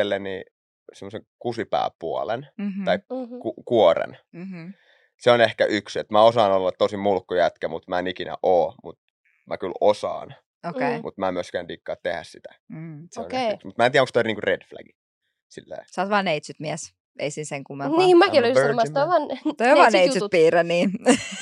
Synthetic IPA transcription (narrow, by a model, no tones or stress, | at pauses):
elːenniː | semːoseŋkusipæ̰ːpuɑlḛnɑikkukuorḛnm̩ | seonehkæʔykset̪mæosɑːnolːɑt̪t̪osimmulkːujæt̪kæmut̪mæenikinæ̰ʔoːmṵt̪ | mʔæ̰kylosɑ̰ːn | okeimʔṵt̪mæmyøskæːndikːɑːt̪t̪ehæ̰ssit̪æ̥seoonkksmut̪mæent̪iæoŋkst̪oˑlʲniːŋkured̥flæ̰ɡ̥i | silːḛːsɑːt̪ʋɑːneit̪syt̪miɛs | ʔḛisinseŋkumːɑniːmækiolsmɑst̪ɑʋɑːnt̪oijoʋʋɑːneitsypiːrenniː